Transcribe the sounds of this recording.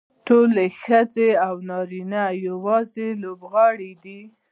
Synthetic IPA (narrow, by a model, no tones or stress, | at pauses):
ʈolexəd͡zeawnɑɾinajawɑzelobɣɑɽid̪i